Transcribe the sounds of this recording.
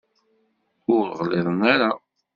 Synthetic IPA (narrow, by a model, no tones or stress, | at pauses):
ʊɾʁlɪðˤənæɾa